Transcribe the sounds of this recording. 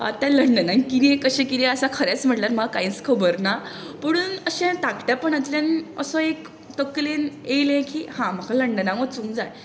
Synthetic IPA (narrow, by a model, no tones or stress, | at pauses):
a̰t̪jãləɳɖənakiniẽkəɕẽkid̪iəsakʰəɾjat͡sm̤əʈlaɾm̤əɡakaiːt͡skʰəbəɾna | pəɽ̃uːnəɕẽt̪akʰʈjapəɳat̪ljanə̰sɔek | t̪əkleneilẽkiːhãm̤əkʰaləɳɖənamət͡sũŋd͡zaj